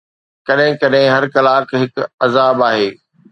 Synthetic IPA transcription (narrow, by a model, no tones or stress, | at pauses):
kɐɗɦɪ̃kɐɗɦɪ̃ɦɐɾkɐlaːkɦɪkɐzaːbaːɦeː